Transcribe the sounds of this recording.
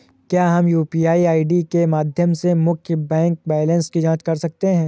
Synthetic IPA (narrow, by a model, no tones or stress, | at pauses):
kjaːɦɐmjuːpiːaːiaːiɖikemaːd̪ʱjəmsemʊkʰjəbɛ̃ːŋk̚bɛːlə̃nskid͡ʒãːt͡ʃkɐɾsɐk̚t̪eɦɛ̃ː